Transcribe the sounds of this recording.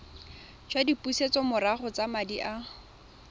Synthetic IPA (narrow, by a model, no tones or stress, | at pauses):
d͡ʒwadipuset͡sɔmʊɾaχɔt͡samadiʔa